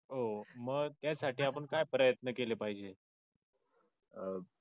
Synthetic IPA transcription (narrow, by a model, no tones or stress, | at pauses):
oməɡt̪jasaʈʰiːapəɳkajpɾəjət̪nəkelepaɦid͡ʑe